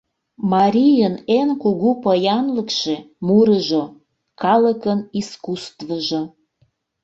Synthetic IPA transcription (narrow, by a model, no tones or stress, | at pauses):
mɑɾʲijənenkuɣupəjɑnləkʃe | muɾəʒo | kɑləkəniskust̪vəʒo